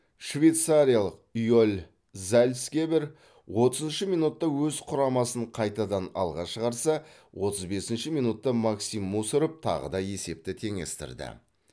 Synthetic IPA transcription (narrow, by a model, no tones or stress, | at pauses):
ʃvʲe̞jt̪saɾijalˠəqijolʲ | zælʲskʲebeɾ | wo̞t̪əzənʃəmijnut̪ːɑwɵzqʰʊɾɑmɑsəɴqʰɑjt̪ɑd̪ɑnɑ̰lˠʁɑʃəʁɑɾsɑwo̞t̪əzbe̞sɪnʃɪmijnut̪ːɑmɑksimːusʊɾəp̚t̪ʰɑ̰ʁə̰d̪ɑje̞se̞p̚t̪ɪt̪ʰe̞ŋe̞̰st̪ɪ̰ɾd̪ɪ̰